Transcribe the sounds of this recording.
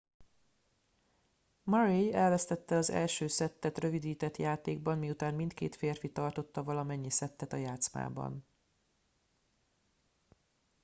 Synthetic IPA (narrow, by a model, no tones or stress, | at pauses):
mɒɾejɛlvɛst̪ɛt̪ːɛɒzɛ̰lʃøːsɛt̪ːɛt̪rø̞vid̪iːt̪ɛt̪jaːt̪eːɡ̚bɒnmiut̪aːnmint̪kḛːt̪feːrfit̪ɒrt̪o̞t̪ːɒvɒlɒmɛɲːisɛt̪ːɛt̪ɒjaːt̪sma̰ːbɒ̰n